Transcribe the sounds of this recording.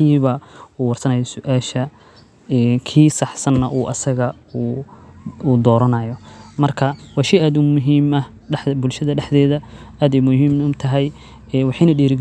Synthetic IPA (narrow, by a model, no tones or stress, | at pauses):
iːβɐuːwɑrsɐnɐjɔsʊʔaːʃɐ | ɛːnkʰiːsɑħsɐnːɐʔuːʔɐsɐɣɐ | uː | uːd̪ɔːɾɐnɐjɔmɐrkʰɐwɑːʃɛjaːd̪ʊmʊɦiːmɐ | ɖɛħbʊlʃɐðɐɖɛħd̪ɛːðɐʔaːd̪ɛjmʊɦiːmʊmt̪ʰɐɦɛj | ɛwɑħɑjnɐɖiːɾɪɡ